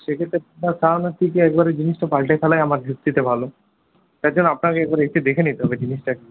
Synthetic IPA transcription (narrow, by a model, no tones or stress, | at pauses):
ʃekʰet̪ɾeuasanat̪ʰikeɛk̚baɾed͡ʑiniʃʈopalʈajfʰɛlajamaɾbʱut̪ːit̪ebʱalo | t̪ad͡ʑonːoapnakeɛk̚baɾeetʰed̪ekʰenit̪eɦɔbed͡ʑiniʃʈɛk